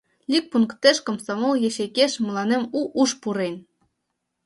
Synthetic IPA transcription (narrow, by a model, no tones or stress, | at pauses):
lʲik̚puŋkt̪eʃkŏmsɑmolˠjeɕekʲeʃmɤ̆lɑnemuʔuʃpuɾenʲ